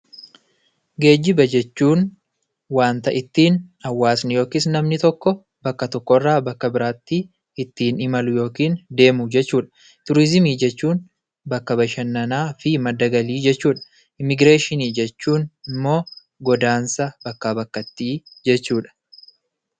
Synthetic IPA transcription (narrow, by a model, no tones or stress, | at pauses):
ɡe̞ːd͡ʒːɪbɐd͡ʒɛt͡ʃːuːn | waːnt̪ɐʔɪt̪ːiːnɐwːaːsnɪjo̞ːkɪːs̬nɐmnɪt̪ɔkːɔ | bɐkːɐt̪ɔkːɔɪrːaːbɐkːɐbɪɾaːt̪ːi | ɪt̪ːiːnɪmɐlʊjo̞ːkiːnd̪e̞ːmʊd͡ʒɛt͡ʃːuːᶑɐ̥ | t̪ʊɾɪzɪmiːd͡ʒɛt͡ʃːuːn | bɐkːɐbɐʃɐnːɐnaːfɪmɐd̪ːɐɡɐliːd͡ʒɛt͡ʃːuːᶑɐ̥ | ʔɪmɪɡɾe̞ːʃɪniːd͡ʒɛt͡ʃːuːnɪmːo̞ː | ɡɔd̪aːnsɐb̥ɐkːaːbɐkːɐt̪ːiːd͡ʒɛt͡ʃːuːᶑɐ̥